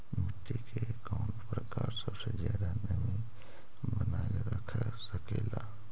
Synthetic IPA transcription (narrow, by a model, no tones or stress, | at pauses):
mɪt̪ːikekɔːnpɾəkaːɾsəbsed͡ʒjaːd̪anəmĩ | bənaː | ɾəkʰa | səkela